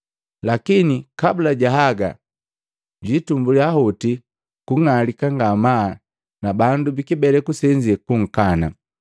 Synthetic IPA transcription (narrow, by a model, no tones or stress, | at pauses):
lakinikabulaɟaɦaɡa̰ | ɟwiːtumbuliahuti | kuŋalikaŋɡama | nabandubikibɛlɛkusɛɲd͡ʒiɛkuŋ̩kana̰